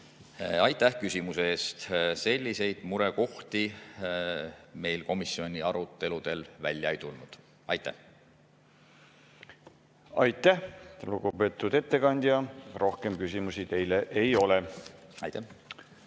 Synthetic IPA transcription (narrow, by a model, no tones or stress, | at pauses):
ɑjt̪ːˑæhkysʲimuseeːst̪se̞lʲːise̞jd̪̥muɾe̞ko̞ht̪i | me̞jlko̞misio̞nʲiɑɾut̪ˑːe̞lud̪̥e̞lvæ̰lʲjɑejt̪ulnud̪̥ | ɑ̰jt̪ːˑæ̰h | ɑjt̪ˑːæhluɡ̥upe̞ːt̪ːˑud̪̥e̞t̪ːe̞kɑnʲd̪̥jɑɾo̞hkemkysimusit̪e̞jleʔejo̞leɑ̰jt̪ːæh